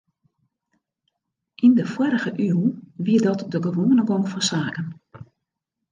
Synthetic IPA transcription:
ʔindəfwɔɾəɣəʔyːəwʋiədɔtdəɡəʋoənəɡɔŋfɔnsaːkən

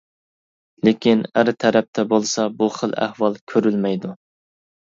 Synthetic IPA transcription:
lekʲinæɾt̪ʰɛɾɛp̚t̪ʰɛbolˠsɑbuχəlˠæ̰hwɑlˠkʲʰøɾylmɛjd̪u

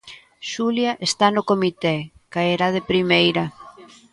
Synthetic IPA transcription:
ʃuljɐʔest̪anʊkomit̪ɛkaeɾaðepɾimejɾɐ

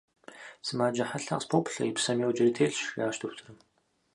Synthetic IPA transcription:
sɨmaːd͡ʒɐħaɬa̰qspʰowpʰɬɐ̰jɪpsɐmjowd͡ʒɐritʰeːɬʃjaːʃtʰuxtʰɨrɨm

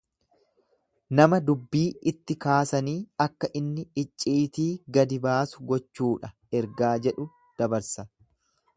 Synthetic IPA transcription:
nɐmɐd̪ʊbːiːʔɪt̪ːɪkaːsɐniːɐkːɐʔɪnːɪɪt͡ʃʼːiːt̪iːɡɐd̪ɪbaːsʊɡɔt͡ʃːuːᶑɐ | ɛɾɡaːd͡ʒɛᶑʊ | d̪̥ɐbɐɾsɐ

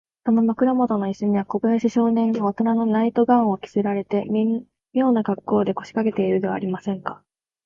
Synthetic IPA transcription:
sono̞makɯ̟ɾamo̞t̪o̞no̞iɕːoɲ̟iβako̞bɯaɕiɕo̞ːnẽ̞nːoːt̪onano̞nait̪o̞ɡão̞kʲi̥seɾaɾe̞t̪e̞m | mʲjo̞ːnaɡakːo̞ːd̪e̞ko̞ɕi̥kake̞t̪e̞iɾɯ̟d̪e̞βa̰ɾʲimasẽ̞ŋka

